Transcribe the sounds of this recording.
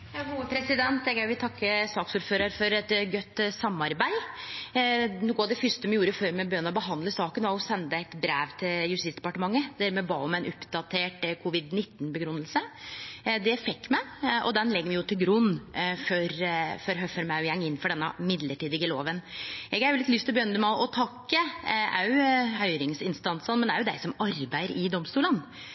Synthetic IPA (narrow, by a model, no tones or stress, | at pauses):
ɡuːʋəpʰɾɛsɪd̪ɛnt̪ɛɡæʋɪt̪ʰɑkːəsɑːksuːɾføːɾəɾfɔɾɛt̪ɡœt̪ːsɑmɑɾbæɪ | nuːkːʊɑʋd̪ɛfʏst̪əmɛjuːɾəføɾmɛbœnːəɔbəɦɑnd̪ləsɑːkənʋɑʊsɛnd̪əæɪt̪bɾæːʋt̪ʰɪljʉst̪ɪsd̪ɛpɑʈəmɑŋːəd̪æɾmɛbɑːʊmæɪnʔʊpd̪ɑt̪ʰeːʈkʰʊʋɪd̪nɪt̪ːn̩bəɡɾʉnːəlsə | d̪ɛfɛkːmæɪʔɔ̰d̪ɛnlɛɡːmɪjʊt̪ʰɪlɡɾʉnːfɔɾfɔɾɦœfœɾmæʊjɛŋːɪnːfɔɖɛnːəmɪd̪ləʈiːd̪ɪɡəloːʋənʔɛɡɑɾjʊlɪt̪lʏst̪ʰːɪlbjœnd̪əmæʔɔt̪ʰɑkːəʔɑʉhœʏɾɪŋsɪnst̪ɑnsənmɛnd̪ɛæɾjʊd̪æɪsɔmɑɾbæɪəɾɪd̪ɔmst̪uːlən